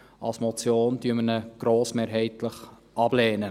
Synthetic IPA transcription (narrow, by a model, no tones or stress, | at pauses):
ɑlsmɔt͡sjoːndyːmənəɡ̥ɾoːsmeːɾɦɛɪtləχ | ʔɑb̥leːnə